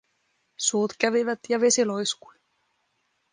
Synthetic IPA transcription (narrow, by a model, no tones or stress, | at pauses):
suːt̪kæʋiʋæt̪jɑʋe̞silojsku̥i